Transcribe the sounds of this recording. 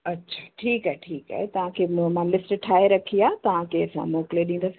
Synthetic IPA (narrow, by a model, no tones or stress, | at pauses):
ɐtːɕʰḁːʈʰiːkaɦeʈʰiːka̰ːɦet̪ɐʋ̤ãkʰeːmãlɪsʈʈʰaːeɾɐkʰiaːt̪ɐʋ̤ãkʰeɐsã̰moːkɪleɗĩːnd̪as